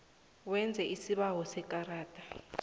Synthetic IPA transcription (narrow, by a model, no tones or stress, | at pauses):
wɛnd͡zʱɛʔisiɓawɔsɛkʼaraːtʼḁ